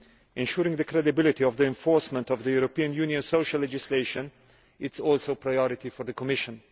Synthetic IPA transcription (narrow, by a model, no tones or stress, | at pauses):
ɛ̃nʃuɾɪ̃ŋðɨkʰɾɛdɪbɪlˠɪtiɔvðiɛ̃ɱfɔɹsmə̃ntɔvðəjuɾopiə̃njũniə̃nsoʊʃəlːɛd͡ʒɪsleɪʃə̃n | ɪtsɔlˠsoʊpʰɾajɔɾɪt̪ifɔðəkʰɔmɪʃə̃n